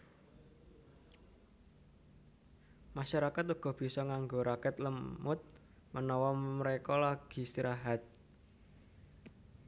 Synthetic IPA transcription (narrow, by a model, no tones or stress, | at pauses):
maʃaɾakat̪uɡ̥ɔ̤b̥i̤sɔŋaŋɡoɾakɛt̪ləmʊt̪̚ | mənɔwɔməɾekɔlaɡ̥i̤siɾʔaɦat̪̚